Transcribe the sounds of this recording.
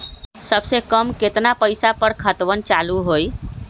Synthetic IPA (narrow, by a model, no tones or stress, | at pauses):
səbsekəmket̪napəjsapəɾkʰət̪ʋənt͡ʃaluɦoj